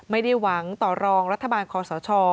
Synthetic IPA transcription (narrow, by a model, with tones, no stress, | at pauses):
ma˥˩jda˥˩jwa˩˦ŋt̪ɔː˨˩ɾɔː˧ŋɾa˦˥t̪ʰːa˧baː˧nkʰɔː˧sɔː˩˦t͡ɕʰɔː˧